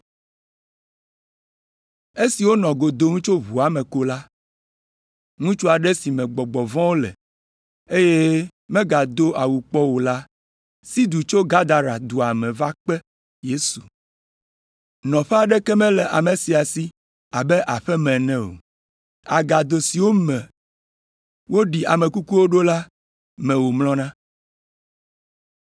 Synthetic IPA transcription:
e˦si˨wo˦nɔ̃˨ɡo˨d̪o˦ŋũ˦t͡ʃo˦βu˨a˨mɛ̃˨ko˦la˦ | ŋũ˦t͡ʃo˦a˨ɖɛ˦si˨mɛ̃˨ɡ͡bɔ˨ɡ͡bɔ˨vɔ̃˦wo˦lɛ̰˨ | e˦je˦ | mɛ̃˦ɡa˨d̪o˦ʔa˨wu˨k͡pɔ˦wo˨la˦ | si˦d̪u˨t͡ʃo˦ɡa˦d̪a˨ɾa˨d̪u˨a˨mɛ̃˨va˦k͡pɛ˦ | je˦su˨ | nɔ̃˨ɸɛ˦a˨ɖɛ˦kɛ˦mɛ̃˦lɛ˨ʔa˨mɛ̃˨si˨a˨si˦ | a˨bɛ˦ʔa˨ɸɛ˦mɛ̃˨nɛ̃˦o̰˨ | a˨ɡa˨d̪o˨si˨wo˦mɛ̃˨ | wo˦ɖi˨a̰˨mɛ̃˨ku˦ku˦wo˦ɖo˦la˦ | mɛ̃˨wo˨mlɔ̃˦nã˦

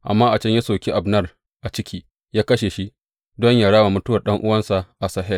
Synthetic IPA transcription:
ʔa̰˨mːaː˦ʔa˨t͡ʃɐ˦ɲja˦soː˨kʲi˦ʔa˨bnɐ˦r | ʔa˨t͡ʃɪ˦kʲʰiː˦ | jaː˦kɐ˦ʃe˨ʃi˦ | dɔ˦ɲjaː˨ɽaː˦wa˨mʊ˦tʊ˦wɐ˨ɗɐ˦ŋʔʊ˦wɐ˦nsa˨ʔa˨saː˦ɦɛ˦˨l

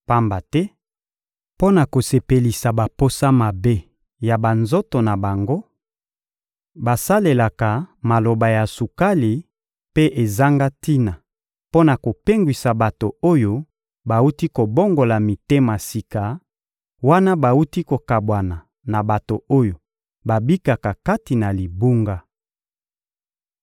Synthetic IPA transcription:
pa˦mba˨tɛ˦ | po˦na˨ko˨se˨pe˨li˨sa˨ba˨po˦sa˦ma˨be˦ | ja˨ba˨nzo˦to˨na˨ba˨ŋɡo˦ | ba˨sa˦le˨la˨ka˨ma˨lo˨ba˨ja˨su˨ka˦li˨ | pe˦ʔe˨za˦ŋɡa˦ti˦na˨ | po˦na˨ko˨pe˦ŋɡwi˨sa˨ba˨to˨o˦jo˦ | ba˨u˦ti˦ko˨bo˦ŋɡo˨la˨mi˨te˦ma˨si˨ka˨ | wa˦na˦ba˨u˦ti˦ko˨ka˨bwa˨na˨ | na˨ba˨to˨o˦jo˨ | ba˨bi˦ka˨ka˨ka˦ti˨na˨li˨bu˦ŋɡa˦

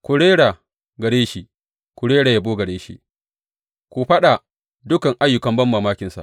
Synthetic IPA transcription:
kʷʊ˨ɽeː˦ɽa˨ | ɡɐ˨ɽeː˦ʃi˦ | kʷʊ˨ɽeː˦ɽaː˨ja˨boː˦ɡɐ˨ɽeː˦ʃḭ˦ | kʷu˨ɸɐ˦ɗa˨ | dʊ˦kɐ˨ŋʔa˦jːʊ˨kɐ˨mbɐ˦mːaː˨maː˦kʲɪ˨nsa̰˨

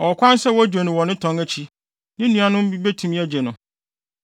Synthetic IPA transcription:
ɔ˨kʷʰã˦n˦sɛ˦wɔ˦d͡ʑᶣe˨nʊ̃˨wɔ̃˨nɪ̃˦tʰɔ̃˨ŋæ˦t͡ɕʰi˦ | nɪ̃˦nũ˦a˦nʊ̃˦m̩˦bi˦be˦tʰũ˨mĩ˦æ˦d͡ʑe˨nʊ̃˨

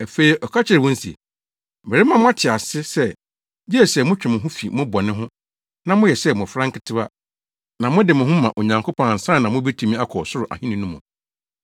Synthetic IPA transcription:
æ˨fe˦i˨ʔɔ˨kʰa˦t͡ɕʰɪ˦ɾɪ˨wɔ̃˦n̩˦sḭ˨ | m̩˨e˨ɪ˦mã˦mʊ̃˦a˦tʰɪ˨a˨sɪ˦sɛ˦˨ | jɛ˦ɛ˨sɛ˨mʊ̃˦t͡ɕᶣɪ˨mɪ̃˨ɦʊ̃˦fi˨mʊ̃˦bɔ˨nɪ̃˦ɦʊ̃˦ | nã˦mʊ̃˦jɛ˨sɛ˦mʊ̃˨fɾã˦ŋ˦kʰɪ˦tʰɪ˦ba˦ | nã˨mʊ̃˦dɪ˨mʊ̃˨ɦʊ̃˦mã˨ʔo˨ɲã˨ŋkʰo˦pʰɔ̃˨n̩˨sã˦˨nã˨mʊ̃˦bi˦tʰĩ˨mĩ˦a˦kʰɔ˨sʊ˦ɾʊ˨ʔa̰˨hĩ˦nĩ˨nũ˦mʊ̃˨

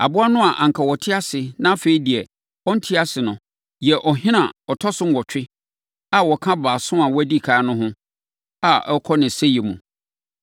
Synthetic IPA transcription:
a̰˨bʊ˦a˦nʊ̃˦a˨ʔã˨ŋkʰa˨wɔ˨tʰɪ˦a˦sɪ˨nã˦fe˨i˦di˨ɛ˨ | ɔ̃˦n̩˦tʰɪ˦a˦sɪ˨nʊ̃˨ | jɛ˨ʔɔ˨ɦɪ̃˦nã˨ɔ˨tʰɔ˦sʊ̃˦m˦wɔ˨t͡ɕᶣɪ˦ | a˨wɔ˨kʰã˦baː˨sʊ̃˦ã˨wɔ˦æ˦di˦˨kʰaː˨˦nʊ̃˦ɦʊ̃˦ | a˨ɛ˦kʰɔ˦nɪ̃˨sɛ˦jɛ˨mṵ̃˨

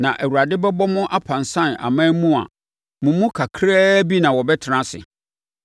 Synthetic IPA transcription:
nã˨ʔæ˨wu˨ɾa˨dɪ˦bɛ˦bɔ˦mʊ̃˦ʔa˦pʰã˨nsã˦˨na̰˨mãː˦mũ˦a̰˨ | mʊ̃˨mũ˦kʰa˨kʰɾɛː˦bi˦nã˨wɔ˨bɛ˦tʰɪ˨nã˦sɪ̰˨

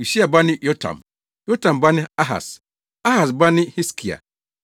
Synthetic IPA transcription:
i˨si˦a˨ba˦nɪ̃˦jɔ˦tʰã̰˨m | jɔ˦tʰã˨mba˦nɪ̃˦a˦ɦa̰˨s | a˦ha˨sba˦nɪ̃˦hi˦skʰi˨a̰˨

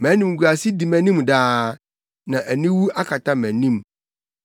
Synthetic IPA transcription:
mæ̃˨˦nĩ˨m˨ɡu˨a˨si˦di˨mæ̃˨nĩ˦mdaː˦ | nã˨ʔæ˨nĩ˦wu˦a˦kʰa˨tʰa˦mæ̃˨nĩ˦m

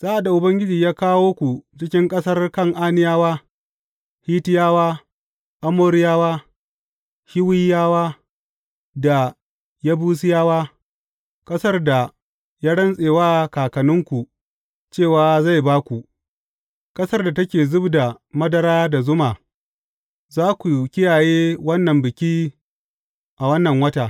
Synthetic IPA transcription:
z̥aː˦ʔa˨da˨ʔʊ˨bɐ˦ŋɡʲɪ˦d͡ʒiː˨jaː˦kaː˦woː˦kʷu˨t͡ʃɪ˦kʲɪ˦ŋkʼɐ˦sɐ˦rkɐ˦˨ŋʔaː˦nɪ˦jaː˦waː˦ | hiː˦tɪ˦jaː˦waː˦ | ʔa˦moː˦ɾɪ˦jaː˦waː˦ | ʃɪ˦wɪ˦jːaː˦waː˦ | da˨ | ja˦buː˦s̬ɪ˦jaː˦waː˦ | kʼɐ˦sɐ˦rda˨ | ja˦ɽɐ˦nsʼeː˨waː˦kaː˨kɐ˨nʊ˦ŋkʷu˨ | t͡ʃeː˦˨waː˦za˦˨jbaː˦kʷu˨ʔ | kʼɐ˦sɐ˦rda˨tɐ˦kʲeː˨zʊ˦bda˨ | mɐ˦dɐ˨ɾaː˦da˨zʊ˦maː˨ | zaː˦kʷu˨kʲɪ˦jaː˨jeː˦wɐ˦nːɐ˨mbɪ˨kʲiː˦ | ʔa˨wɐ˦nːɐ˨ŋwɐ˦taː˨

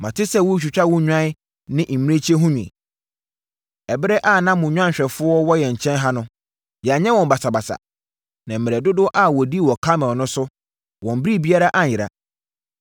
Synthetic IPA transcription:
mã˨tʰɪ˦sɛ˦wʊ˦t͡ɕᶣu˨t͡ɕᶣa˦wʊ̃˦ɲᶣ˦ã˦ | nɪ̃˦ʔm̩˨mĩ˦e˦t͡ɕʰi˦e˦ɦʊ̃˦ɲᶣũ˨ | ɛ˨bɪ˦ɾɛ˦ʔa˦˨nã˦mʊ̃˨ɲᶣ˦ã˦ɲ˨ɕᶣɛ˨fʊ˦ɔ˦wɔ˦jɛ˨ɲ̩˨t͡ɕʰɛ̃˦nɦa˦nʊ̃˦ | jɛ˨a˨ɲɛ˦wɔ̃˨mba˨sa˨ba˨sa̰˨ | nã˨m̩˨mɪ̃˨ɛ˨dʊ˦dʊ˦ʔa˦wɔ˨di˦wɔ˨kʰã˦mɛ̃˨nʊ̃˦sʊ˦ | wɔ̃˨m˦bɾi˦˨bi˦a˦ɾa˦ʔa˦˨jɪ˨ɾa̰˨

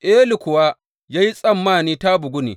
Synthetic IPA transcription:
ʔe˦lɪ˨kʷʊ˨waː˦ | jaː˦ji˦sʼɐ˦˨mːaː˦˨niː˦ta˦bʊ˨ɡʷʊ˦nḭː˨

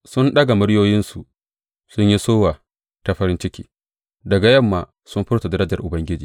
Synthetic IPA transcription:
sʊ˦nɗɐ˦ɡa˨mʊ˦ɽjoː˦jɪ˦nsu˨ | sʊ˦ɲji˦soː˦waː˨ | ta˨ɸɐ˦ɾɪ˦nt͡ʃɪ˦kʲḭː˦ | dɐ˨ɡa˨jɐ˦˨mːaː˨ | sʊ˦mɸɪ˦rta˨dɐ˦ɾɐ˦d͡ʒɐ˨rʔʊ˨bɐ˦ŋɡʲɪ˦d͡ʒiː˨

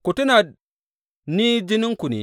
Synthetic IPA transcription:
ku˨ti˦na˨d̚ | ni˦d͡ʒi˦ni˦ŋku˨nḭ˨

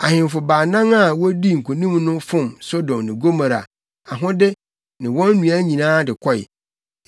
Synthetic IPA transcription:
a˨hɪ̃˨m˨fʊ˨baː˨nã˦ŋa˦˨wɔ˦di˦ŋ̩˨kʰo˨nĩ˦mnʊ̃˦fʊ̃˦˨mso˦dɔ̃˨mnɪ̃˨ɡo˦mã˨ɾa̰˨ | a˨ɦʊ̃˦dɪ˦ | nɪ̃˨wɔ̃˦nː˦ũ˨a˦ɲĩ˨nãː˦dɪ˨kʰɔ˦˨ɪ̰˨

